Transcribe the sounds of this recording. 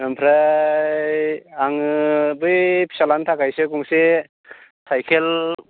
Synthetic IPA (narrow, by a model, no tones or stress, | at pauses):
mempʰɾa | jaŋbɯjpʰi̥salantʰakajsekuŋse | sajkʰel